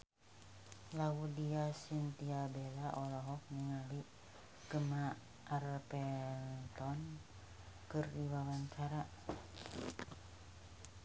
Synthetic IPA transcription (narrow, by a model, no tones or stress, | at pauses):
laudiasint̪iabɛlaʔɔlɔɦɔk̚nəŋali | ɡ̥əma | ʔːrpɛlt̪ɔn | kɨrdiwawant͡ʃaɾa